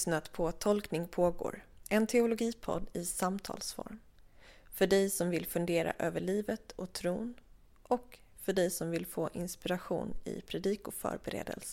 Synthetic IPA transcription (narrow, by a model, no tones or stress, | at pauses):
snat̪pʰɔt̪ʰɔlknɪŋpʰoːɡo̰ːɾɛnt̪ʰɛʊlʊɡiːpʰɔ̰d̪ːɪsamt̪ʰɑ̰ːlsfɔ̰ɾm | fœɖɛjsɔmvɪlfɵnd̪eːɾa̰ʔøːvəɭiːvət̪ɔt̪ʰɾuːn | ʔɔk | fœɖɛjsɔmvɪlfoːʔɪnspɪɾaɧṵːnɪ̰pʰɾɛd̪iːkʊfœ̰ːɾbɛɾḛːd̪ə̰ls